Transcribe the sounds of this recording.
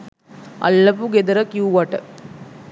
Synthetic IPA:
ɐ̰lːɐpuɡed̪ɐɾɐkjuːʋaːʈɐ

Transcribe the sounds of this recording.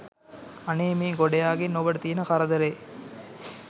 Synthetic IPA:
ɐneːmiːŋɡoɖɐjaːɡinːoʋɐɽɐt̪iːnɐkɐɾɐd̪ɐɾeː

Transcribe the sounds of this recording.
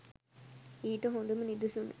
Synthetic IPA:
iːʈəɦond̪umənid̪usunə̰

